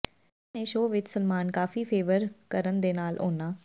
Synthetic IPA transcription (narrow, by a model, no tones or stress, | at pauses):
eːʃoːʋɪt͡ʃsənmaːnkaːfiːpʰeːʋəɾkəɾənd̪eːnaːlʔo̰ːnaː